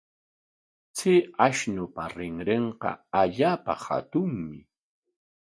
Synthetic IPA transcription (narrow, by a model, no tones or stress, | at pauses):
t͡sɪaʃnʊpaɾɪŋɾeɴqɑ̰aʎaːpa̰ha̰t̪ʊŋmɪ